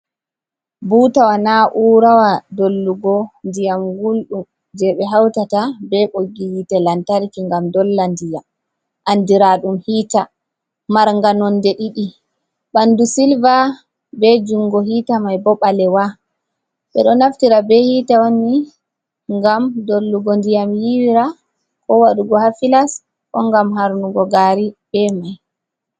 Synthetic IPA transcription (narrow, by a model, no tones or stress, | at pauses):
buːtawanaʔuːɾawadolːuɡɔndijamɡulɗum | d͡ʒɛɓɛɦawtatabɛɓoɡihitɛlantaɾkiŋɡamdɔlːandija | ʔandiɾaɗumhiːta | maɾŋɡanɔndɛɗiɗi | ɓandusilva | bɛd͡ʒuŋɡɔɦiːtamajbɔɓalɛwa | ɓɛ̰ɗɔnaftiɾabɛhiːtawani | ŋɡamdolːuɡondijamjiwiɾa | kɔwaɗuɡɔhafilas | kɔŋɡamɦaɾnuɡɔɡaɾib̥ɛmaj